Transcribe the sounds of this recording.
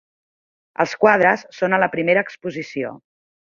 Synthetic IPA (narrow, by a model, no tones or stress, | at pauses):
ə̰lˠskwað̞ɾəsːonələpɾimeɾəːkspuzisio̰